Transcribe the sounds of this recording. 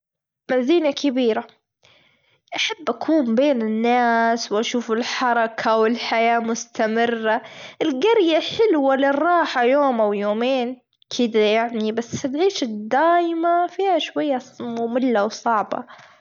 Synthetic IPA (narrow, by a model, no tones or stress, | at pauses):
maziːnakabiːɾa | ʔaħabːʔakʰuːmbeːnɪnːaːswʔaʃuːfɪlħɑɾˤɑkʰawɪlħajaːmʊst̪amɪrːaʔɪlɡɑɾjaħɪlwalɪrˤːɑːħajoːmʔawjoːmeːn | kʰɪd̪ajaʕnibasːɪlʕiːʃad̪ːaːjɪmafiːhaʃwajːamʊmɪlːawsˤɑʕbɑ̰